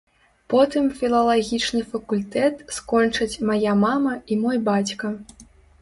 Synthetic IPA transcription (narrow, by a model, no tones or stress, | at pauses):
pɔt̪ɨmfʲilˠɐlˠaɣʲit͡ʂnɨfɐkulʲt̪ɛt̪skɔnt͡ʂɐt͡sʲmajamamɐimɔjbat͡sʲkɐ